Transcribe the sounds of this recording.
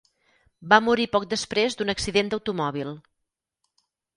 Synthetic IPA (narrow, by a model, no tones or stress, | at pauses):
bamuɾipɔk̚d̪əspɾezd̪unəksiðend̪əwt̪umɔβ̞ilˠ